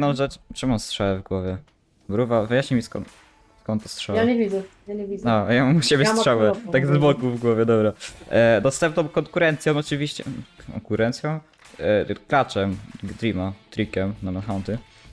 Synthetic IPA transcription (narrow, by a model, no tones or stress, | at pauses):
nɔ̃wʐɛt͡ʂɛmɔstʂɛwɛvɡwɔvʲjɛ | bɾuvavɨjaɕɲimʲiskɔ̰n | skɔ̃nt̪ːɔstʂɛwjɛaɲɛvʲizɛjaɲvʲiɔjamamuɕɛbʲjɛstʂɛwɛaɡzbɔkuvɡwɔvʲjɛd̪ɔbɾad̪ɔst̪ɛmpnɔ̃mkɔŋkuɾɛnt̪sʲjɔ̃mɔt͡ʂɨvʲiɕt͡ɕɛ̰kʰɔ̰ŋkuɾɛnt̪sʲjɔ̃m | klat͡ʂɛmd̪ɾʲimat̪ɾʲikɛmnamɛnxant̪ɘ